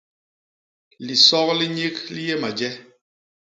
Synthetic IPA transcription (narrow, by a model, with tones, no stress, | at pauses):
li˨sɔ˦kli˦ɲe˦kli˦je˦ma˨d͡ʒɛ˦